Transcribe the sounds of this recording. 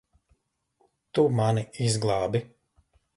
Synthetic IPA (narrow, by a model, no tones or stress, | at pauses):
t̪umaniizɡlˠɑːbi